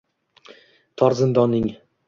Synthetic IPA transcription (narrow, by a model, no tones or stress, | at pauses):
t̪ʰɒɾzɪnd̪ɒnːɪŋ